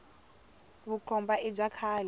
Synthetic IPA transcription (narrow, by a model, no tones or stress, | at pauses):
βuǃɔmbaʔib͡ʐakʰaːlɛ